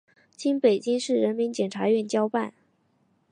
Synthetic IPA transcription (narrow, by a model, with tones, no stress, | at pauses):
t͡ɕi˥npe˨˩ɪt͡ɕi˥ŋʂɻ̩˥˩ɻə˧˥nmi˧˥nt͡ɕjɛ˨˩nʈ͡ʂʰa˧˥ɥɛ˥˩nt͡ɕjɑ˥ʊpa˥˩n